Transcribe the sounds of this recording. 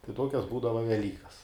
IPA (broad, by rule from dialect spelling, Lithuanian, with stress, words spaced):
tɐɪ ˈtoːkʲɛs ˈbuːdɐʋɐ ʋʲɛˈlʲiːkɐs